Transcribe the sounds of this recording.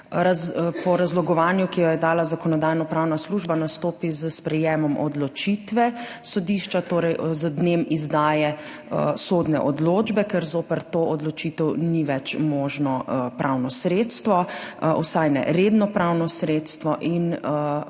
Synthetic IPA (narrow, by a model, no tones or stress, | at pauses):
ɾapɔɾazlɔɡɔʋaːnjukijɔjɛd̪aːlazakɔnɔd̪aːjnɔpɾawnasluʒbanast̪oːpizəspɾɛjeːmɔmʔɔ̰d̪lɔt͡ʃit̪ʋɛ | sɔd̪iːʃt͡ʃat̪oːɾɛjzəd̪nemizd̪aːjɛ | soːd̪nɛʔɔd̪loːd͡ʒbɛkɛɾzoːpəɾt̪oːɔd̪lɔt͡ʃit̪ɛwniʋɛt͡ʃmɔːʒnɔpɾʔawnɔsɾeːt̪st̪ʋɔw̰sajnɛ̰ɾed̪nɔpɾawnɔsɾeːt̪st̪ʋɔʔin